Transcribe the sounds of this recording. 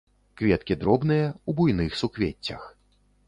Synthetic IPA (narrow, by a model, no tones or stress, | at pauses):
kvʲɛt̪kʲid̪ɾɔbnɨjɐubujn̪ɨxsukvʲet͡sʲːɐ̰x